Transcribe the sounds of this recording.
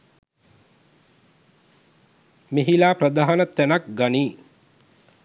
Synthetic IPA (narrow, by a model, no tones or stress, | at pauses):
meɦilaːprəd̪aːɦanət̪ænak̚ɡaniː